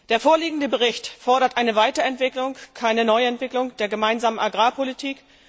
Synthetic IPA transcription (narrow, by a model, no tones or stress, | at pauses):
d̥eːɐfoːɐliːɡŋ̩dəbəʁ̞ɪçtfɔɐɾɐtʔaɪnəvaɪtɐɛntv̥ɪklʊŋkʰaɪnənɔʏɛntv̥ɪklʊŋd̥eːɐɡəmaɪnzaːmənaɡʁaːpʰolitʰiːk